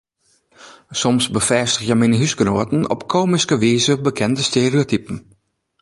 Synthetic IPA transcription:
sɔmsbəfɛːstəxjɛminəɦysɡənoətn̩ɔ̰pkʰoːmiskəʋiːzəbəkʰɛndəsteriotipn̩

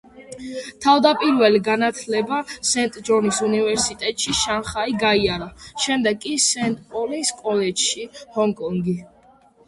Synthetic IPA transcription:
t̪ʰavd̪apʼiɾvɛliɡanat̪ʰlɛbasɛnt̪ʼd͡ʒɔɾnisunivɛɾsit̪ʼɛt̪ʼʃiʃanχaiɡaiaɾaʃɛmd̪ɛɡkʼisɛnt̪ʼpʼɔliskʼɔlɛd͡ʒʃihɔŋkʼɔŋɡi

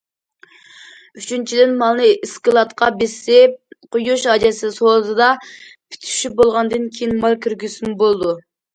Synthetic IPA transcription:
yt͡ʃʰynt͡ʃʰid̪ɪnmɑlˠnɨʔiskɨlˠɑt̪qʰɑbɪsɪp̚qʰʊjuʃɑd͡ʒɛsɪsozɨd̪ɑpʰi̥t̪ʰy̥ʃybolˠʁɑnd̪ɨnkʲʰejinmɑlˠkʲyɾɡʲysmɪbolˠd̪u

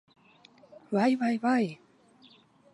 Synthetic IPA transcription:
vajvajvaj

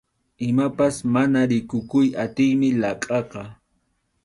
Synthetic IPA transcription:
ɪmapasmanaɾɪkʊkʊjat̪ɪjmɪlɑqʼɑqɑ

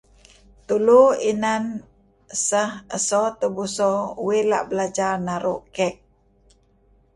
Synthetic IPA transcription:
t̪uluinan | əsəhəsɔt̪əbusɔuwila̰ʔbəlad͡ʒarnaɾṵʔkɛk̚

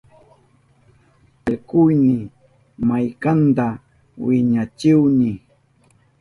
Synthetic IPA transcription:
alkʊjnɪ | majkant̪a | wɪɲat͡ʃɪwnɪ

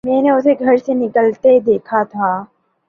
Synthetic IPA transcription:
mɛ̃ːneʊseɡʱɐɾsenɪkəlt̪ed̪eːkʰat̪ʰaː

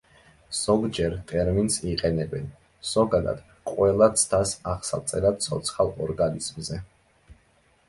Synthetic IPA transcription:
z̥ɔɡd͡ʒɛɾt̪ʼɛɾminsiqʼɛnɛbɛn | z̥ɔɡad̪a̰d̪̥ | qʼwɛlˠat̪sʰd̪ʰasaʁsa̰t̪sʼɛlad̪̚t̪sʰɔt̪sʰχalˠɔɾɡaniz̥mzɛ

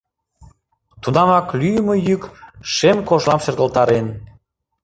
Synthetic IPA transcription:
t̪unɑŋɑklyjəməjykʃemkoʃlɑmʃə̆rɣəlt̪ɑɾen

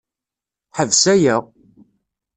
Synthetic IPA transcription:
ħəvsæjæʁ

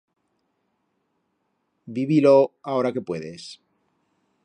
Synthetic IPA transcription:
biβiloao̞ɾake̞pwe̞ðe̞s

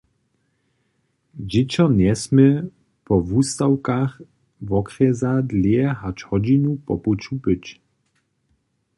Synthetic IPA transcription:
d͡ʑɪt͡ɕɔnɛsmɛ | pɔvust̪awkax | vɔkχɛzad̪ljɛhat͡ʃhɔd͡ʑinupɔput͡ʃupɪt͡ɕ

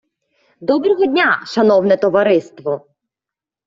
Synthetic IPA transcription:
d̪ɔbɾɔɦɔdʲnʲaʃɐnɔwnɛt̪ɔʋɐɾɪst̪ʋɔ

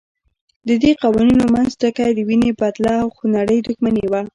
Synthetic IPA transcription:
d̪əd̪eqɑwaninomanzd̪əkad̪əwinebat̪laːwxunaɽəjd̪uxmanewa

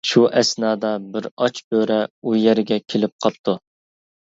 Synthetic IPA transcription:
ʃuʔɛsnɑːd̪ɑbɪɾɑt͡ʃbøɾɛujɛɾɡʲɛkʲʰelɪp̚qʰɑp̚t̪ʰːu

